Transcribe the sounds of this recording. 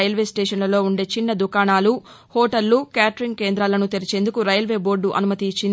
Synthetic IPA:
jɐlʋe̞ːsʈeːʂɐnlɐlo̞ːuɳɖe̞ːt͡ʃinːɐd̪ukaːɳaːlu | hoːʈɐlːukaːʈɐɾiŋɡke̞ːnd̪ɾaːlɐnut̪eɾit͡ʃe̞ːnd̪ukuɾɐjɐlʋe̞ːbo̞ːɾɖuʔɐ̰numɐt̪it͡ʃːin

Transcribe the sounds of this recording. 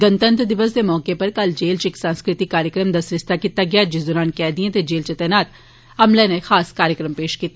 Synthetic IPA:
ɡənt̪ə̃nt̪d̪ɪʋəs̬d̪emɔːkepɐɾkɐld͡ʒeːlt͡ʃɪksãːnskɾɪt̪ikːaːɾjəkɾəmd̪ɐsɾɪst̪akiːt̪aɡɪjad͡ʒɪs̬d̪ɔːɾaːnkɛːd̪iẽt̪ed͡ʒeːlt͡ʃət̪ɛːnaːt̪ | ɐmlɛ̃nexaːskaːɾjəkɾəmpeːʃkiːt̪a

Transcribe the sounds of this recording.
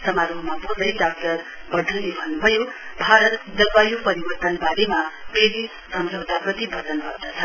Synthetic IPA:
sʌmaɾoɦmapud̪ʌjɖak̚ʈʌr | bʌʈʰulebʱʌnːubʱʌjo | bʱaɾʌt̪d̪ʌɡajupʌɾibʌrt̪ʌnbaɾemapeɾit̪ | sʌmd͡zʱʌwt̪aprʌt̪ibʌd̪ʌnbʌrd̪at͡sʰʌ

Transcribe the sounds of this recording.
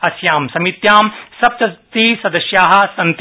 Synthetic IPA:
ɐsjaːmsɐmit̪jaːmsɐp̚t̪ɐt̪iːsɐd̪ɐʃjaːɦɐ̆sɐnt̪

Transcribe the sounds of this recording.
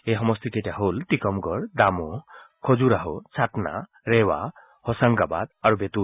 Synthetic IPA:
eɦɔmɔst̪ʰiketiaɦoltikɔmɡɔɹd̪amɔ | kʰɔd͡ʒuɾaɦɔt͡sʰatna̰ | ɹɛwa̰ | hɔsaŋɡaba̰d̪aɹubet̪u

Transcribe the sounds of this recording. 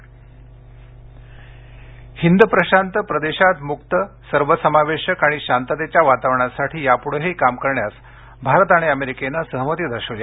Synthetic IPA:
hind̪upɾəɕant̪əpɾəd̪eɕat̪muk̚t̪ə | səɾʋəsəmaʋeɕəkaɽ̃iɕant̪ət̪et͡ɕjaʋat̪aʋəɳ̃asaʈʰiːjapuɽəɦiːkamkəɾɳjas | bʱaɾt̪aɽ̃iəmeɾikenːasəɦəmət̪id̪ʱəɕəʋlja

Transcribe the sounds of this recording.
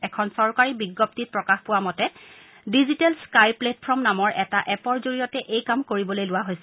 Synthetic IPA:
ɛkʰɔnsɔɹkaɹibiɡːɔp̚tit̚pɹɔkaxpʊwamɔtɛ | dizitɛlskajplet̚pʰɔɹmnamɔɹɛtaʔɛpɔɹzoɹijɔtɛʔejkamkoɹibɔlojlʊwaɦojsɛ

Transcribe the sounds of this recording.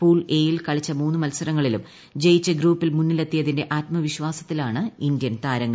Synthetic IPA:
fuːɭe̞ːjilkɐɭit͡ɕːɐmuːnːɨmɐlsɐɾɐŋːɐɭilum | d͡ʑe̞jit͡ɕːɐɡɾuːpːilmunːilet̪ːijɐðinde̞ʔaːt̪mɐʋiɕʋaːsɐ̥t̪ːilaːɳɨindjɐnt̪aːɾɐŋːɐ

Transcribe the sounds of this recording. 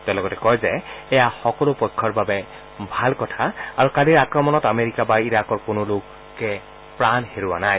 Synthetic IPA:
tẽlɔɡɔtɛkɔjzɛːjaxɔkɔlʊpɔjkʰːɔɹbabɛ | bʱalkɔtʰaaɹukaliɹakɹɔmɔnɔtameɹikabaiɹakɔɹkʊnʊlʊkː | ɛ | pɹanheɹʊa̰naj

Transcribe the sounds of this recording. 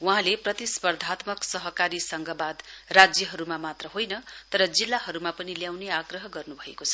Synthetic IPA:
wuɦãleprʌt̪ispʌrd̪ʱat̪mʌksʌɦʌkaɾisʌŋɡʱʌbad̪rad͡zjʌɦʌɾumamat̪rʌɦojnʌt̪ʌɾʌd͡zilːahʌɾumapʌniljawneaɡrʌɦʌɡʌrnubʱʌekot͡sʰʌ̥

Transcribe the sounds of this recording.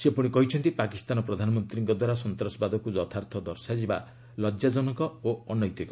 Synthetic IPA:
sepuɽ̃ikɔɦit͡ʃʰɔnt̪ipakist̪anɔpɾɔd̪ʱanɔmɔnt̪ɾiŋkɔd̪waɾasɔnt̪ɾɔsɔbad̪ɔkud͡ʒɔt̪ʰaɾt̪ʰɔd̪ɔɾsad͡ʒiba | lɔd͡ʒad͡ʒɔnɔkɔoɔnɔjt̪ikɔ

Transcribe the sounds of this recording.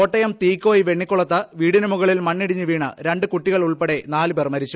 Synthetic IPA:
oːʈːɐjɐmt̪iːkːo̞ːjiʋe̞ɳːikːoɭɐt̪ːɐʋiːɽinɐmuɣɐɭilmɐnːiɽiɲːɨʋiːɳɐɾe̞ɳɖɨkuʈːiɣɐɭuɭpeɽe̞naːlɨbermɐɾit͡ɕːu

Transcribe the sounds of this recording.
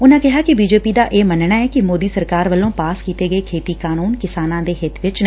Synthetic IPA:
ʊnãːkɪɦaːkɪbiːd͡ʒeːpiːd̪aːʔeːmənnaːɛːkɪmoːd̪iːsəɾkaːɾʋəlːõːpaːskiːt̪eːɡəeːkʰeːt̪iːkaːnuːnkɪsaːnãːd̪eːɦɪt̪ʰʋɪt͡ʃneː

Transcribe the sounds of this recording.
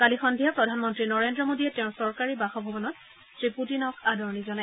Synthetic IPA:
kalixɔndʱijapɹɔdʱanmɔntɹinɔɹendɹɔmodiɛtɛʊ̃sɔɹkaɹibaxɔbʱɔbɔnɔt̚ | tɹiputinɔkʰadɔɹnizɔna

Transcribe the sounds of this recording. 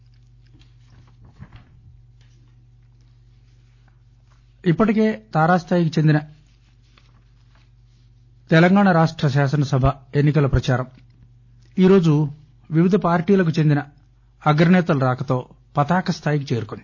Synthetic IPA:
ipːɐʈike̞ːt̪aːɾaːst̪ʰaːjikit͡ʃe̞nd̪inɐ | t̪ɛlɐŋɡaːɳɐɾaːʂʈɾɐʃaːsɐnɐsɐbʱaenːikɐlɐpɾɐt͡ʃaːɾɐm | iːɾo̞ːd͡ʒu | ʋiʋid̪ʱɐpaːɾʈiːlɐk̬ut͡ʃe̞nd̪inɐ | ɐɡɾɐnɛːt̪ɐluɾaːkɐt̪o̞ː | pɐt̪aːkʰɐst̪ʰaːjik̬it͡ʃe̞ːɾukond̪i

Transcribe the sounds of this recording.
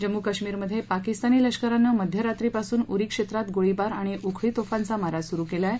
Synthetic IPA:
d͡ʑəmːuːkəɕmiːɾməd̪ʱːjepakist̪aniːləɕkəɾanːəməd̪ʱjəɾat̪ɾipasuːnuɾiːkʂet̪ɾat̪ɡoɭibaɾaɽ̃iʔukʰɭiːt̪ofant͡samaɾad͡zsuɾuːkelae

